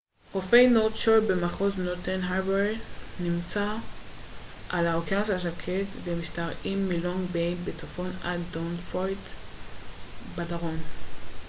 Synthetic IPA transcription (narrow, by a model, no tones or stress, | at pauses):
χofejnott͡ʃoɾbemaχoznoɾt̪enɦabenimt͡sa | ʔalaokasaʃ̬akʰetvemiʃtaʁimːiloŋbejnbet͡sofo̞nad̪onfot | badaʁon